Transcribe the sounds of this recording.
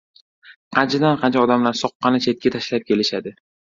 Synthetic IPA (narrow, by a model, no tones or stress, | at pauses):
qʰɑnt͡ʃʰad̪anqʰɑnt͡ʃʰaɒd̪amlaɾsɒqːɑnɪt͡ʃʰe̞t̪̚kʲat̪ʰaʃlap̚kʲe̞lɪʃad̪ɪ